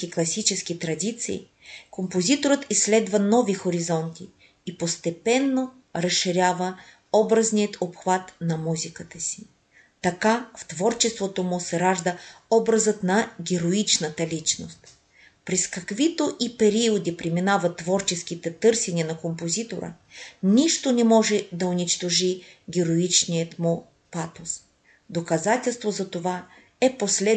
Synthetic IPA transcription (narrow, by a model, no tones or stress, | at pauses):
kiklˠɐsit͡ʃɛsk̟it̪ɾɐd̪ʲit̪sḭː | kompozit̪oɾət̪isːlɛd̪vɐnɔvixoɾizɔnt̪ʲiː | post̪ɛpɛnːo | ɾɐsʃːiɾʲjavə | ɔbɾəznʲijət̪opxvat̪nɐmuzʲikət̪əsi̥ | t̪ɐkaft̪vɔɾt͡ʃɛst̪vot̪omʊsɛɾaʒd̪əɔbɾɐzət̪nɐɡʲɛɾoit͡ʃnət̪əlʲit͡ʃno̰st̪ | pɾɛskɐkvit̪oʔipɛɾiod̪ipɾiminavɐt̪ːvɔɾt͡ʃɛsk̟it̪ɛt̪ɤɾsɛniənɐkompozit̪oɾə̰ | niʃt̪onɛmɔʒɛd̪ɐʊnit͡ʃt̪oʒiɡʲɛɾoit͡ʃnijət̪mʊ | pat̪os | d̪okɐzat̪ʲɛlˠst̪vozɐt̪ova | ɛposlɛ